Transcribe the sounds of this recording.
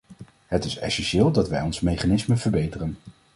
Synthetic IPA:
ɦətɪsɛ̰sɛnʃɪːlˠdɑtʋɛjɔnsmejχanɪsməv̥əɹbejtərən

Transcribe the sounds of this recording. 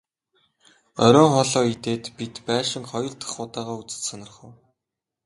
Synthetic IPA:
œɾʲœːŋχɔɮɔːit̪eːt̪pit̪pæːʃɪ̆ŋχɔjɞ̆ɮt̪ə̥̆χʊːt̪aːʁaːut͡sɘ̥̆sănə̆rχə̆w

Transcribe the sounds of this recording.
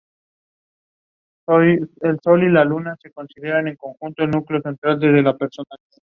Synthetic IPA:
oelso̞lilalunase̞ko̞nsiðeɾane̞ŋko̞ŋxunt̪oelnukleo̞se̞nt̪ɾald̪e̞zðe̞lape̞ɾsonaliða

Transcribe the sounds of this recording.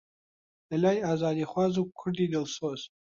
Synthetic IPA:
alʲajazaːdiχʷazuk̚ʷkʷʰʊrdidɨlsoz

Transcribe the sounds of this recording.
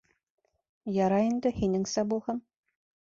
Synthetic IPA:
jɑɾɑind̪ɘ̆hinɘ̆ŋsæbulˠhɤm

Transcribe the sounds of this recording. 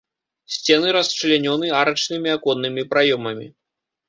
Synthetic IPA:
sʲt͡sʲɛnɨɾɐst͡ʂɨlʲanʲɔnɨaɾɐt͡ʂnɨmʲiakɔnːɨmʲipɾajɔmɐmʲḭ

